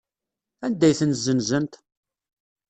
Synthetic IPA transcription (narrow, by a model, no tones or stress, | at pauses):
ænd̪æjθənzːənzənt̪